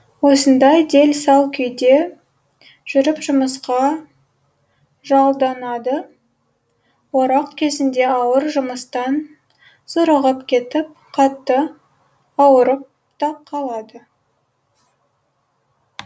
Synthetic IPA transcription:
wo̞sənd̪ɑjd̪e̞lsɑwkʲʰʏjd̪e̞ | ʒ̥ʏɾɪpʒʊməsqɑ | ʒɑlˠd̪ɑnɑd̪ə | woɾɑqkʲʰe̞zɪnd̪e̞ɑwəɾʒʊməst̪ɑn | sʊɾəʁəpkʲʰe̞t̪ɪp̚qʰɑt̪ːə | ɑwəɾəp̚ | t̪ʰɑqʰɑlˠɑd̪ə

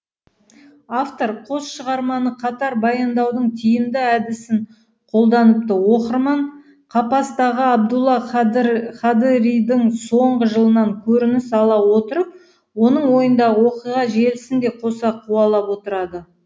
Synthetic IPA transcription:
aft̪o̞ɾqʰo̞sʃəʁɑɾmɑnəqʰɑt̪ɑɾbɑjɑnd̪ɑwd̪əɴt̪ʰijɪmd̪ɪæd̪ɪsɪɴ | qʰo̞lˠd̪ɑnəp̚t̪əwo̞qəɾmɑɴ | qʰɑpɑst̪ɑʁəɑb̚d̪ulˠːɑ | χɑd̪ɾijd̪ɪŋsoɴʁəʒəlˠənɑŋkʲʰɵɾɪnɪsɑlˠɑwo̞t̪əɾəp̚ | wo̞nəɴwo̞jənd̪ɑʁəwoqijʁɑʒe̞lɪsɪnd̪e̞qʰo̞sɑqʰuɑlˠɑpwo̞t̪əɾɑd̪ə

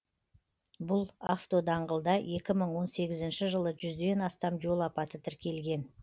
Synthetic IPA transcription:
bʊlˠa̰ft̪o̞d̪ɑɴʁəlˠd̪ɑje̞kʲɪməɴwo̞nse̞ɡʲɪzɪnʃɪʒəlˠəʒʏzd̪e̞nɑst̪ɑmʒo̞lˠɑpɑt̪ət̪ʰɪɾkʲe̞lɡʲe̞n

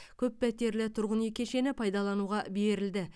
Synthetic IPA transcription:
kʲʰɵpːæt̪e̞ɾlɪt̪ʰʊɾʁənekʲe̞ʃe̞nɪpʰɑjd̪ɑlˠɑnuʁɑbe̞ɾɪld̪ɪ

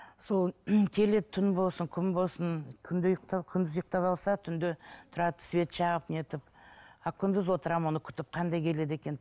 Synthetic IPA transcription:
so̞lˠkʲʰe̞le̞tt̪ʰːʏnbo̞lˠsəŋkʲʰʏmbo̞lˠsənkʲʰʏnd̪ejəq̚t̪ɑkʲʰʏnd̪ɪzjəq̚t̪ɑpɑlˠsɑt̪ʰʏnd̪ɪt̪ʰʊɾɑt̪ə̥svʲe̞t̪ʃɑʁəpnet̪ɪpɑkʲʰʏnd̪ɪzwo̞t̪əɾɑmo̞nəkʲʰʏ̥t̪ɪp̚qʰɑnd̪ɑjkʲʰe̞le̞d̪e̞kʲe̞n

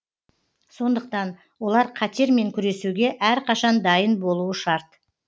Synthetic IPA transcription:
so̞nd̪əq̚t̪ɑn | wo̞lˠɑɾqʰɑt̪e̞ɾme̞ŋkʲʰʏɾe̞suɡʲe̞ʔæɾqʰɑʃɑnd̪ɑjənbo̞lˠuəʃɑɾt̪

